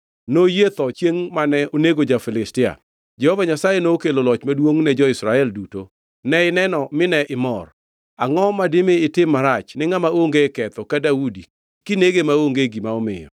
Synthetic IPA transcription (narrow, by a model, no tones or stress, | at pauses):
nojet̪ɔt͡ʃjeŋmanɛʔoneɡod͡ʒafɪlɪstɪa̰ | d͡ʒɛhovaɲasajenokelolɔt͡ʃmadwoŋnɛd͡ʒɔɪsɾaɛlduto̰ | nɛɪnɛnɔmɪnɛʔɪmɔr | aŋɔmadɪmeɪtɪmːaɾat͡ʃnɪŋamaoŋɡekɛt̪ɔkadaudi | kɪneɡemaoŋɡeɡimaɔmɪ̰jɔ̰